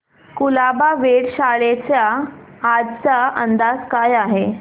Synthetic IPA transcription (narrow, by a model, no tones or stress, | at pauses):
kulabaʋeɽɕaɭet͡sjaː | d͡zt͡saənd̪ad͡zkajaɦe